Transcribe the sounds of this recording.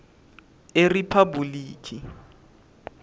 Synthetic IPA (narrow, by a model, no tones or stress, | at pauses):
eripʰabuliːkʰi